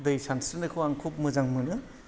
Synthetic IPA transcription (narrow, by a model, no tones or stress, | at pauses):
dɯjsansɯnekʰɯwaŋkʰop̚mɯzaŋmɯnɯ